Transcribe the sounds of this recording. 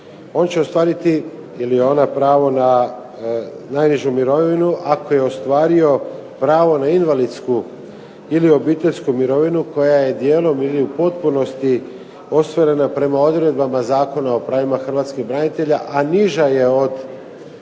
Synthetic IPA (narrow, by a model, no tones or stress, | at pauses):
o̞nt͡ɕeo̞st̪ʋaːɾit̪i | ilijeo̞napɾaːʋo̞na | najniʒumiɾo̞ʋinuʔako̞je̞ost̪ʋaːɾio̞ | pɾaːʋo̞nainʋalid̪sku | ilio̞biːt̪e̞ʎʲskumiɾo̞ʋinuko̞jaje̞d̪je̞ːlo̞miliupo̞t̪̚puno̞st̪i | o̞st̪ʋoɾe̞napɾe̞mao̞d̪ɾe̞d̪̚bamazaːko̞nao̞pɾaːʋimaxr̩ʋaːt̪skiɣbɾanit̪e̞ʎaʔaniʒaje̞o̞d̪